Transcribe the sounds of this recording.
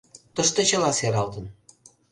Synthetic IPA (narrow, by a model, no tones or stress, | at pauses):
t̪əʃt̪ot͡ɕə̆lɑseɾɑlt̪ən